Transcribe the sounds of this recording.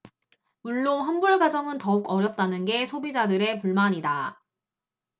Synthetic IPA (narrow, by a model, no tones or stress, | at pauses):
muɭːoɦanbuɭɡad͡ʑʌŋɯntʌuɡʌɾjʌp̚t͈anɯnɡe̞sʰobid͡ʑadɯɾe̞puɭmaɲida